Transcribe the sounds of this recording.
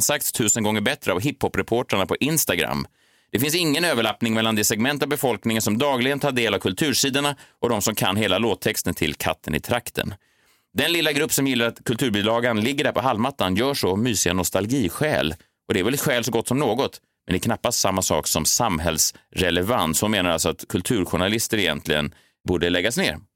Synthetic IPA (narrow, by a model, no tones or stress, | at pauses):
nsak̚t̪st̪ʰʉ̟ːsənɡɔŋːəɾbɛt̪ɾəavɦɪphɔpːɾɛpʰoːʈaɳapʰɔʔɪnst̪aɡɾa̰mː | d̪̥ɛfɪnsɪŋːənøːvəɭapnɪŋmɛlːand̪ɛsɛɡmɛnt̪avbɛfɔlknɪŋənsɔmd̪ɑːɡlɪɡənt̪ʰɑːɖeːlavkʰɵlt̪ʰʉ̟ːʂiːd̪əɳaʔɔd̪ɔmsɔmkʰa̰nɦeːlaloːt̪ʰːɛkst̪ənt̪ʰɪlkʰa̰t̪ʰːənɪ̰t̪ʰɾakt̪ʰə̰n | d̪ɛnlɪlːaɡɾɵpːsɔmjɪlːaɾat̪kʰɵlt̪ʰʉ̟ːɾbyːlɑːɡanlɪɡːəɖæɾpʰɔɦalmat̪ːanjœːʂɔmyːsɪa̰nɔst̪alɡiːɧɛ̰ːl | ʔɔd̪ɛæɾvɛlɛt̪ɧɛːlsɔɡɔt̪ːsɔmnoːɡɔt̪ | mɛnd̪ɛknapːast̪samːasɑ̰ːksɔmsamɦɛlsɾɛlɛvanshʊnmeːnaɾa̰lsɔat̪kʰɵlt̪ʰʉ̟ːɾɧʊɳalɪst̪əɾɛjɛ̰nt̪ʰlɪɡə̰n | buːɖəlɛɡːasnḛːɾ